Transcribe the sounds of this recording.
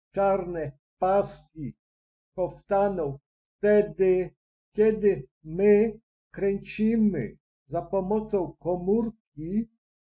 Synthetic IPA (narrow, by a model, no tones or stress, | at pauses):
t͡ʃaɾnɛ | paskʲi | pɔfst̪anɔw | ft̪ɛd̪ɪ | kʲɛd̪ɪmɘ | kɾɛɲt͡ɕimɘ̰ | zapɔmɔt̪sɔ̃w̃kɔmuɾkʲi